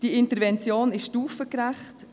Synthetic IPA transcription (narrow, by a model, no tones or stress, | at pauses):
d̥iɪntəɾvɛnt͡sjoːnɪʃʃtuːfəkɾæχt